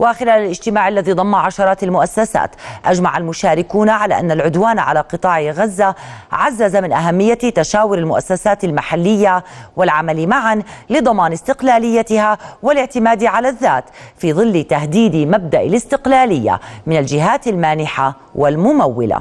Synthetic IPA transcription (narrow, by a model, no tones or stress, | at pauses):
waxɪlaːlalʔɪd͡ʒt̪ɪmaːʕalːaðid̪ˤɑmːaʕaʃɑɾˤɑːt̪almʊʔasːasa̰ːt̪ʔad͡ʒmaʕalmʊʃaːɾɪkuːnaʕala̰ʔanːalʕʊd̪waːnʕa̰laqɨt̪ˤɑːʕɣazːaʕazːazamɪnʔaɦamːɪjːat̪aʃaːwɪɾɪlmʊʔa̰sːasaːt̪almaħalːɪjːawɪlʕamalimaʕanlɨd̪ˤɑmɑːnɪst̪ɪqlaːlɪjːat̪ɪhawɪlɪʕt̪ɪmaːd̪iʕalaðːa̰ːt̪fiːðˤɨlːt̪aɦd̪iːd̪imab̚d̪aʔɪlɪst̪ɪqlaːlɪjːa̰mɪnald͡ʒɪɦaːt̪ɪlmaːnɪħa | wɪlmʊmawːɪla̰